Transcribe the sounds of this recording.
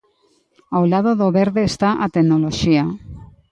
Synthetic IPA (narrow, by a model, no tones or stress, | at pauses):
awlað̞oðoβeɾðeːst̪aʔat̪eɡnoloʃia